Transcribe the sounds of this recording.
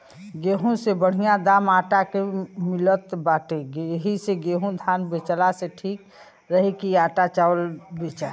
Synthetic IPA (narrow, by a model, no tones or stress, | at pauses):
ɡeːɦũsebəɽ̤ijãd̪aːmaːʈakemilət̪baːʈeɡeɦiseɡeɦũd̪ʱaːnbet͡ʃlaseʈʰiːk | ɾəɦikiaːʈat͡ʃaəlbet͡ʃa